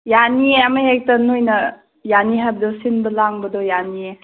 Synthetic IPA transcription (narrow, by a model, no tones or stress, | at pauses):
janieamaɦek̚tɐnujnɐ | janiɦab̚dɔsinbɐlaŋbɐdɔjanie